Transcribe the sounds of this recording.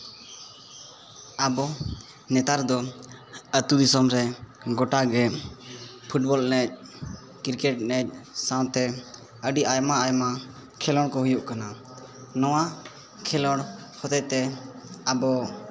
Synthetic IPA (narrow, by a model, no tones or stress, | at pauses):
abɔ | nɛt̪aɾd̪ɔ | ət̪ud̪isɔmɾɛ | ɡɔʈaɡɛ | pʰuʈ̚bɔlnɛc̚ | kiɾkɛʈ̚nɛc̚sãwt̪ɛ | əɖiajmaajma | kʰɛlɔɽkɔɦujuʔkana | nɔwa | kʰɛlɔɽ | hʰɔt̪ɛt̪ɛabɔ